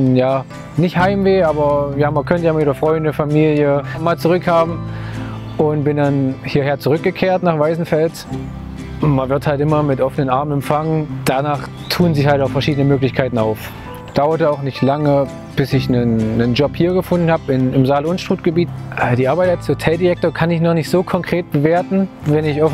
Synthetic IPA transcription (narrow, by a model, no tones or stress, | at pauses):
jaː | nɪçthaɪmveːʔaːbɐjaːɪmɐkʰœntəjaɪmɐviːdɐfʁ̥ɔʏndəfamiːljəmaːlt͡suʁ̞ʏkhaːbm̩ | ʔʊntb̥ɪndanhiːɐheːɐt͡suʁʏk̚ɡ̥əkʰeːɐtnaːχv̥aɪzn̩fɛlt | manvɪɐthaltʔɪmɐmɪtʔɔfənənʔaɐmənɛmfaŋənd̥anaːχ | tʰuːənzɪçhaltaʊfɛɐʃiːdənəmøːklɪçkʰaɪtn̩a̰ʊf | d̥aʊɐtəaʊxnɪçtlaŋə | b̥ɪsɪçnənːənd͡ʒɔphiːɐɡəfʊndn̩haːbɪnɪmzaːlʊnsʃtʁ̥uːt̚ɡ̥əbiːtʔəːdiːʔaɐbaɪtashotʰɛldiʁɛk̚toːɐkʰanɪçnɔχnɪçtz̥oːkʰɔŋkʁ̥eːt̚b̥əveːɐtn̩ | vɛnɪçɔf